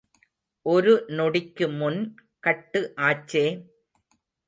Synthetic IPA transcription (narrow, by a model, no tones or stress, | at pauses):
ʔɔɾɯnɔɽɪkːɯmʊnkɐʈːɯʔaːt͡ʃːeː